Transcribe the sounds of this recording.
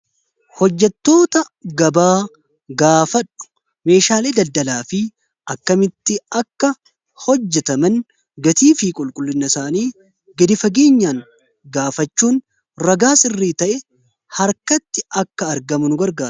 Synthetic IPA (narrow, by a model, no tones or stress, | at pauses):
hɔd͡ʒːɛt̪ːo̞ːt̪ɐ | ɡɐbaː | ɡaːfɐᶑːʊ̥ | me̞ːʃaːle̞ːd̪ɐld̪ɐlaːfɪ | ʔɐkːɐmɪt̪ːɪɐkːɐ | hɔd͡ʒːɛt̪ɐmɐn | ɡɐt̪iːfiːkʼʊlkʼʊlːɪnːɐsaːniː | ɡɐd̪ɪfɐɡe̞ːɲːaːŋ | ɡaːfɐt͡ʃːuːn | ɾɐɡaːsɪrːiːt̪ɐʔɛ | hɐɾkɐt̪ːɪʔɐkːɐːɾɡɐmʊnʊɡɐɾɡaːɾ